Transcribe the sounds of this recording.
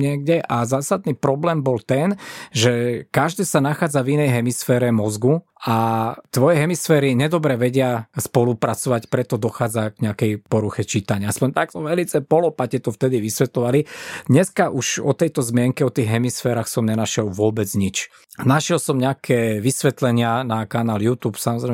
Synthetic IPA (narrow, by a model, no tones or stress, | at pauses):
ɲɪɛɡ̚ɟɛʔazaːsad̪̚niːpɾɔblɛːmbɔlt̪ɛnʒɛkaʒd̪ɛːsanaxaːd͡zavinɛjɦɛmisfɛːɾɛmɔzɡu | at̪ʋɔjɛɦɛmisfɛːɾiɲɛd̪ɔbɾɛʋɛɟɪaspɔlupɾat͡sɔʋacpɾɛt̪ɔd̪ɔxaːd͡zaɡɲɛakɛjpɔɾuxɛt͡ʃit̪aɲɪaaspɔɲt̪ak̚t̪ɔʋɛlit͡sɛpɔlɔpacɛt̪ɔft̪ɛd̪iʋisʋɛt̪lɔʋalid̪ɲɛskaʔuʒɔt̪ɛjt̪ɔzmɪɛŋkɛɔt̪iːɣɦɛmisfɛːɾaːxsɔmɲɛnaʃɛlʋʊɔbɛd͡zɲit͡ʃ | naʃɪɛlsɔmɲɛakʰɛʋisʋɛt̪lɛɲɪanakanaːljuːt̪uːpsamɔzɾɛ